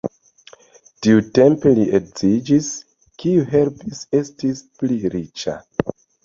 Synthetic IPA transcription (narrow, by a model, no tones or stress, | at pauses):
tiute̞mpeliʔekzid͡ʒis | kiuɦe̞lpise̞stispliɾit͡ʃa̰